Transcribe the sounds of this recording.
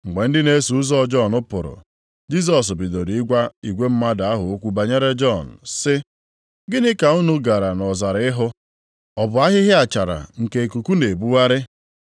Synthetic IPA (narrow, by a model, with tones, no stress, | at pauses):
ŋ͡m̩˨ɡ͡be˨n̩˦dɪ˦ne˦su˨ʊ˦zɔ˦˨d͡ʒɔ˦˨nʊ˦pʊ˨ɾʊ̰˨ | d͡ʒi˦s̬ɔ˨s̬bi˨do˨ɾi˨i˦ɡʷa˦i˨ɡʷe˦m̩˦ma˦da˨a˦ɦʊ˨o˦kʷu˦ba˨ɲe˦ɾe˦d͡ʒɔ˦˨n̩˨sɪ˦ | ɡɪ˦nɪ˦ka˨u˦nu˦ɡa˨ɾa˨nɔ˨za˨ɾɪ˦ɦʊ˦ | ɔ˨bʊ˨˦a˦ɦɪ˦ɦɪ˦a˨t͡ʃa˨ɾa̰˨ŋ̩˨ke˨e˨ku˨ku˦ne˨bu˦wa˦ɾɪ˦